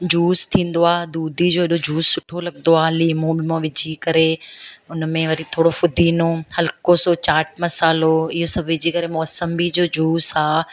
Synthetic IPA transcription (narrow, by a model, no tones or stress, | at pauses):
d͡ʑuːst̪ʰĩːn̆d̪oaːd̪uːd̪ʱid͡ʑoːɦɪɗod͡ʑuːssʊʈʰolɐɡnd̪oaːliːmõɓɪmõʋɪd͡ʑʱikɐɾeʊnmẽʋɐɾit̪ʰoːɽofʊd̪ʱiːnohɐlkosot͡ɕaːʈ̚mɐsaːloɪɦosɐbʱʋɪd͡ʑikɐɾemɔːsəmbid͡ʑoːd͡ʑuːsaː